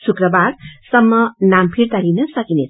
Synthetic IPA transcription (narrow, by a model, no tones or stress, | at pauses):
sukrʌbarsʌmːʌnampʰiɾt̪alinʌsʌkinet͡s